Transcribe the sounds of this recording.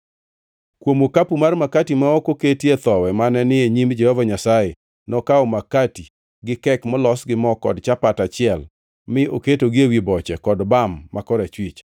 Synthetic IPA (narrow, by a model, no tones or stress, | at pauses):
kwomokapumarmakatimaɔkoketjet̪ɔwɛmanɛnɪeɲimd͡ʒɛhɔvaɲasaje | nɔkaɔmakati | ɡɪkɛkmɔlɔsɡɪmɔkɔ̰dt͡ʃapatat͡ʃɪɛl | mɪʔoketoɡɪewibɔt͡ʃɛkɔdbamːakɔɾat͡ʃwit͡ʃ